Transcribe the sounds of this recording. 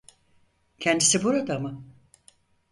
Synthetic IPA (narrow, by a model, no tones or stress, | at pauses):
cʰɛnd̪isibuɾad̪amɯ